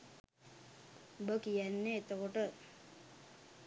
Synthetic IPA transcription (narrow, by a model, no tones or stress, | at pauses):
bəkijænːeːt̪əkoʈə